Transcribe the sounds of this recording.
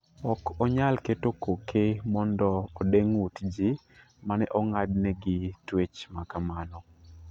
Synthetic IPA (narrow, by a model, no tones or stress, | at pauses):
ɔkɔɲalketokokʰemɔndɔːdeŋwutd͡ʒi | manɛʔɔŋadnɛɡɪtwet͡ʃmakamanɔ